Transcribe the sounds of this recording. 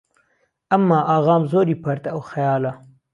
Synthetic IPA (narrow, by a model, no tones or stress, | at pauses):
ɐmːɑːʔɑːɣɑːmzoːɾiːpʰɐɾt̪ɐwxɐjɑːlɐ